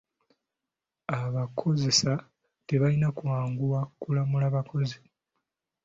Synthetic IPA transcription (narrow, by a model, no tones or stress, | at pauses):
aβakʰo̞ze̞sa | te̞βalinakuwaːŋɡuwakulamulaːβakʰo̞zi